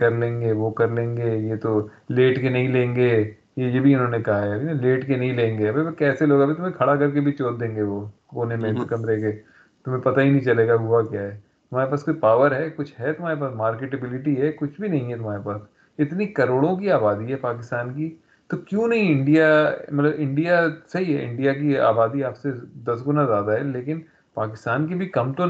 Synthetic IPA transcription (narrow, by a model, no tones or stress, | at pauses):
kɐɾlẽːŋɡeʋokɐɾlẽːŋɡeːjet̪o | leːʈkenɐɦĩlẽːŋɡeː | jejebʱiɪnɦõːnekɐɦaɦɛɐbʱileːʈkenɐɦĩlẽːŋɡeɐbebekɛːseloːɡɐbʱit̪ʊmẽkʰɐɽakɐɾkebʱit͡ʃoːɾ̚d̪ẽːŋɡeʋoː | oːnemẽt̪okɐmɾɐɦeke | t̪ʊmẽpɐt̪aɦinɐɦĩt͡ʃɐleːɡaɦʊakjaːɦɛː | t̪ʊm̤aːɾepaːskoipaːʋəɾɦɛːkʊt͡ʃʰɦɛt̪ʊm̤aːɾep̬aːsmaːɾkeːʈ̬ebɪlɪʈiɦɛkʊt͡ʃʰbʱinɐɦĩɦɛt̪ʊmaːɾepaːs | ɪt̪nikɐɾoːɽõk̬iaːbaːd̪iɦɛpaːkɪst̪aːnki | t̪okjũːnɐɦĩɪ̃ɳɖijamɐt̪ləbɪ̃ɳɖijasɐɦiɦɛʔɪ̰̃ɳɖijak̬ia̰ːbaːd̪iaːpsed̪ɐsɡʊnazjaːd̪aɦɛleːkɪn | paːkɪst̪aːnkibʱikɐmt̪o